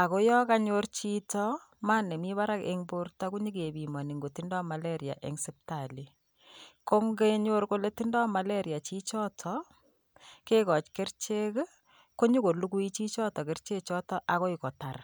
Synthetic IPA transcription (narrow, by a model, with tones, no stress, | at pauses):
a˨ko˦jɔ˦ka˦ɲort͡ʃi˦tɔ˦ | ma˦ne˨mi˦βa˦ɾa˦kḛ˦ŋbo˦rta˦ku˦ɲi˦ke˨bi˨mɔ˨ni˨ŋɡo˨ti˦ndɔ˦ma˨le˦ɾja̰˨ʔḛ˨ŋsɛp̚ta˨li˨ | ko˦ŋɡe˦ɲo˦ɾko˦le˦ti˦ndɔ˦ma˨le˦ɾja˨t͡ʃi˦t͡ʃɔ˦tʰɔ˨ | ke˦kɔ˨t͡ʃke˦rt͡ʃe˦k | ko˦ɲu˦ko˨lu˦ku˦i˦t͡ʃi˦t͡ʃɔ˦tɔ˨ke˦rt͡ʃe˦t͡ʃɔ˦tɔ˦ʔa˨ko˦i˨kɔ˨ta˨r